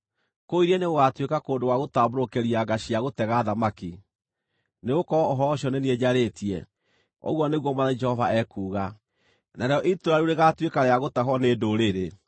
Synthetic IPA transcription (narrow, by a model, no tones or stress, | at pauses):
koiɾeneɣoɣatwekakoːndowaɣotaboɾokeɾiaɡaɕiaɣotɛɣaðamaki | neɣokɔːɦɔːɕɔnenieɲaɾetiɛ | o̰ɣwɔneɣwɔmaðad͡ʒɛhɔvaɛkuːɣa | naɾeɔʔitoɾaɾuɾeɣatwekaɾeaɣotaɦɔneːdoɾeɾe